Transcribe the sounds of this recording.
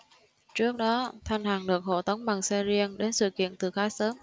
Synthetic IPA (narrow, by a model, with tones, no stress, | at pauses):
t͡ɕɨ˦˥ək̚ɗɔ˨˦t̪ʰa˧jŋ̟ɦaː˨˩ŋlɨ˨˩ək̚ho̰˧˩t̪ə˨˦wŋ͡mɓa˨˩ŋsɛ˧zi˧ənɗe˨˦nsɨ̰˧˨kḭ˧˨ənt̪ɨ˨˩xaː˨˦jsəː˨˦m